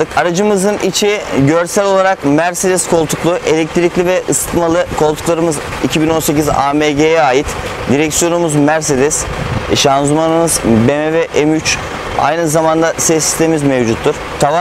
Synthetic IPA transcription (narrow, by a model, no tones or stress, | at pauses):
ɯkʰaɾad͡ʒɯmɯzɯnit͡ʃʰiɟø̞ɾsælʲo̞lˠaɾakmæɾsed̪ɛskʰo̞lˠt̪ʰuklˠuʔe̞lʲɛc̚t̪ʰiɾiclʲivɛʔɯsɯ̥t̪ˠmalˠɯkʰo̞lˠt̪uklˠaɾɯmɯz | icʰibino̞nse̞c̬iza̰ːmeɟejɛaːjit̪ | d̪iɾɛcsjo̞numuzmæɾs̬e̞d̪ɛs | ʃanzumanɯmɯzbemɛvɛʔemyt͡ʃ | a̰jnɯzamand̪asɛsːi̥st̪ʰe̞mimizmevd͡ʒut̪ʰːuɾ̥t̪ʰava